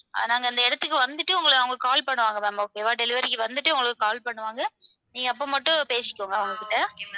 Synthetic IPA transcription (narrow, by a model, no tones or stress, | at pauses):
a̰naːŋɡɐɪnd̪ɐɛɽɐt̪ːɯkːɯʋɐnd̪ɯʈːɯʊŋɡɐɭɯɐʋɐŋɡɐkaːlpɐɳːɯʋaːŋɡɐmeːmoːkeːʋaːʈɛlɪʋɐɾɪkːɯʋɐnd̪ɯʈːɯʊŋɡɐɭɯkːɯkaːlpɐɳːɯʋaːŋɡɐ | niːŋɡɐːpːoːmɐʈːʊ̃peːsɪ̥kːoːŋɡɐʋɐŋɡɐkɪʈːɐ